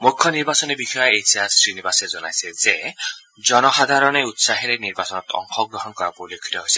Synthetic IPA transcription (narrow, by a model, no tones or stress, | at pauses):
mukʰːjɔniɾbasɔnibixʰɔjɔejsʰiasɾinibased͡ʒɔna̰jseze | d͡ʒɔnɔɦad̪ʱaɾɔneut̪saɦiɾeniɾbasɔnɔt̪ɔ̰ŋkʰɔɡɾɔɦɔnɔkɔɾapoulekʰit̪ɔɦojse̥